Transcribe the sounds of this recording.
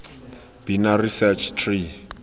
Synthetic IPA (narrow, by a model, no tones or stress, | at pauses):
b̥inarisɛt͡ʃʰtʰri